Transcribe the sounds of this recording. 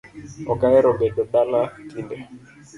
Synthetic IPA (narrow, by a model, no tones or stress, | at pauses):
ɔkaɛɾɔbɛdɔɗalatindɛ